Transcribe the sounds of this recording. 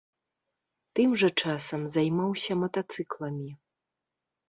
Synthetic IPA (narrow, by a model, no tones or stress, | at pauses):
t̪ɨmʐɐt͡ʂasɐmzajmawsʲɐmɐt̪at̪sɨklˠɐmʲi